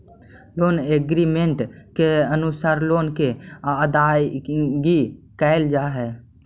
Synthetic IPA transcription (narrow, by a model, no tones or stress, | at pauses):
loːneːɡɾimẽɳʈkeənʊsaːɾloːnkeəd̪aːjɡikɛːɪld͡ʒaːɦɛː